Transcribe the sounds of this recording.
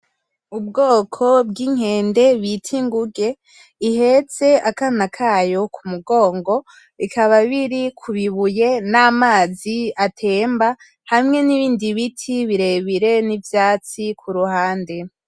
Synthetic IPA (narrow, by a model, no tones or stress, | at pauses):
ubɡoːkʰo̞bɡiːŋ̥he̞ːnde̞βitʰiŋɡuɡe̞ | ihe̞t͡se̞akanakʰaːjo̞kʰumuɡo̞ːŋɡo̞ | βikʰaβaβiɾikʰuβiβuje̞namaːziatʰe̞ːmba | hamŋe̞niβiːndiβitʰiβiɾe̞βiɾe̞nivjaːt͡sikʰuɾuhaːnde̞